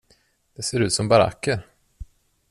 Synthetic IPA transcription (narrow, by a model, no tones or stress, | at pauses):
d̪̥ɛseːɾʉ̟ːt̪sɔmbaɾa̰kːəɾ